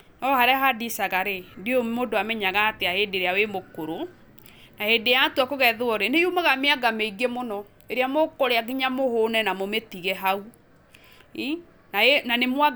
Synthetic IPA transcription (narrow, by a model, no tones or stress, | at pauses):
ɔhaɾɛɦadisaɣaɾedeomodoamɛɲaɣaːteahedeɾeawemokoɾo | nahedeatuakoɣɛðoɔɾenejumaɣameaɡameiɡemonɔ | eɾeamokɔɾeaɡiɲamohonɛnamometiɣɛɦau | i | naenanemwa